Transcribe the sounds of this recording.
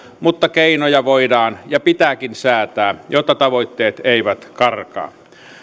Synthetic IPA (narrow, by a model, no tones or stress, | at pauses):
mut̪ːɑkeinojɑʋoidɑːnjɑpit̪ækinsæːt̪æːjot̪ːɑt̪ɑʋoit̪ːeːt̪eiʋæt̪kɑrkɑ̰ː